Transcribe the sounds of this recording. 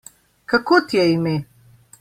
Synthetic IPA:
kakot̪jɛime

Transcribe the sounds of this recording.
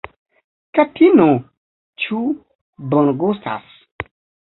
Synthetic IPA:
katʰino | t͡ʃu | bɔnɡusta̰s

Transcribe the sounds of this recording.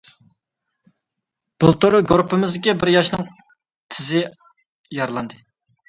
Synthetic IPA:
b̥ʊlˠt̪uɾɡɾupʰːɪmɪzd̪ɪkʲibɪɾjɑʃnɨŋ | t̪ʰɪzɪ | jɑɾlˠɑnd̪ɨ

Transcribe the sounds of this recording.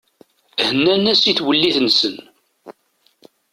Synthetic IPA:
hənːænæsiθwəlːiθənsən

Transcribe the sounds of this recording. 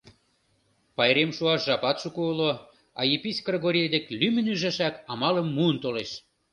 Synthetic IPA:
pɑjɾemʃuɑʃʒɑpɑt̪ʃukuulo | ɑ̰jepisʲkreɣoɾʲed̪ĕklymɘ̆nyʒæʃækɑmɑlə̆mːuənt̪oleʃ

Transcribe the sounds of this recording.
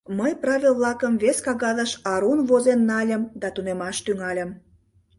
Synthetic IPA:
məjprɑβʲilβlɑkəmveskɑɣɑðəʃɑɾunβozenːɑlʲəmd̪ɑt̪unemɑʃt̪yŋɑlʲəm

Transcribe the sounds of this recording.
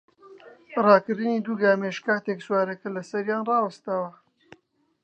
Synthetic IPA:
rɑːkɨɾd̪ɨniːd̪uːɡaːmeːʃkaːt̪ekswaːɾɐkɐlɐsɐɾjaːnrɑːwɐst̪aːwɐ

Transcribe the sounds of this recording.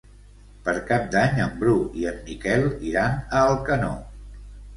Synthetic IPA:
pəɾkap̚d̪aɲəmbɾuiəmːikɛlˠiɾanəːlˠkəno̰

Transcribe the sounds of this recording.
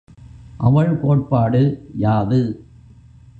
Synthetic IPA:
ʔɐʋɐɭkoːʈ̚paːɽɯjaːðɯ

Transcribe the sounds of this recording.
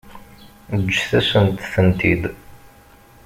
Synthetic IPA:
d͡ʒːθæsənt̪θənt̪id̪

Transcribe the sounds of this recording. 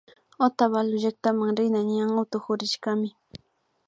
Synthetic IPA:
ot̪aβalʊʒak̚t̪amaŋɾɪnaɲaŋat̪ʊxʊɾɪʃkamɪ

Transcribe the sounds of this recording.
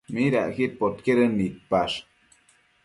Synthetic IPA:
miɾa̰ʔkit̪̚pot̪keɾənit̪̚paʂ

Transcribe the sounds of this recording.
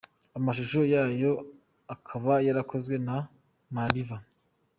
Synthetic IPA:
amaʃuʃo̞jaːjo̞ | akʰaβajaɾakʰo̞zɡwe̞na | maɾiva

